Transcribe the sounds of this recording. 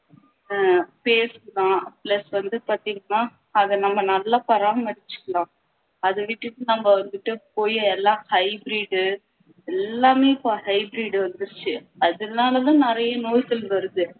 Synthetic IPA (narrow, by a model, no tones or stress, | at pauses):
peːsɯklãːplɐsʋɐnd̪ɯpaːɾt̪iːŋɡɐnːaː | ɐðɐnɐmːɐnɐlːaːpɐɾaːmmɐɽɪt͡ʃːɯ̥kːɐɭãː | ɐðɯʋɪʈːɯʈːɯnɐmːɐʋɐnd̪ɯʈːɯpoːjɯɛlːãːhɐɪbɾiːɖɯ | ɛlːaːmeːpːhɐɪbɾiːɽʋɐnd̪ɯɾɯt͡ʃːɯɐðɯnaːlɐðãːnɪɾɐjɐnoːjkɐlʋɐɾɯðɯ